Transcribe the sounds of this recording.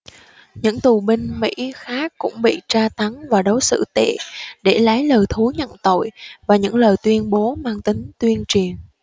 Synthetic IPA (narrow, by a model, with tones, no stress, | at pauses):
ɲɨ̰˧˥ŋt̪u˨˩ɓï˧ŋ̟mḭ˧˥xaː˦˥kkːʊ̰˧˥ŋ͡mɓḭ˧˨t͡ɕaː˧t̪a˨˦ŋvaː˨˩ɗə˨˦wsɨ̰˧˥t̪ḛ˧˨ɗe˧˩laː˨˦jləː˨˩jt̪ʰu˨˦ɲə̰˧˨nt̪o̰˧˨jvaː˨˩ɲɨ̰˧˥ŋləː˨˩jt̪wi˧ənɓo˨˦maː˧ŋt̪ï˨˦ŋ̟t̪wi˧ənt͡ɕi˨˩ən